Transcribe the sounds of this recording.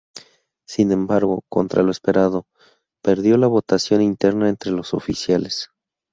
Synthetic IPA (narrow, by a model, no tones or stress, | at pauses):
sinẽ̞mbaɾɣo̞ko̞̰nt̪ɾa̰loe̞spe̞ɾaðo̞ | pe̞ɾðjo̞laβo̞t̪asjo̞nint̪e̞ɾnae̞nt̪ɾe̞lo̞so̞̰fisjales